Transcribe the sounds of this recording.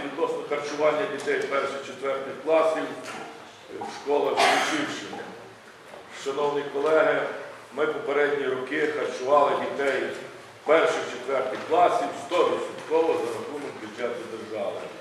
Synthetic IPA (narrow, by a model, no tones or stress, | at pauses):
ʋʲid̪nɔsnɔxɐrt͡ʃʊʋɑnʲːɐdʲit̪ɛjpɛrʃɪxt͡ʃet̪ʋɛrt̪ʲɪwklˠɑsʲiw | ʃkɔlˠɐxlʲˠʊt͡ʃɪwʃɪmɪ | ʃɐnɔwnʲikɔlˠɛɦɪ | mɪpɔpeɾɛdʲnʲiɾɔkɪxɐrt͡ʃʊʋɑlˠɪdʲit̪ɛj | pɛrʃɪxt͡ʃet̪ʋɛrt̪ʲɪxklˠɑsʲiwst̪ɔɾɔsʲit̪kɔʋɔzɐnɐt̪unɔkʲit͡ʃʲːat̪ɔd̪erʒɑʋˠɪ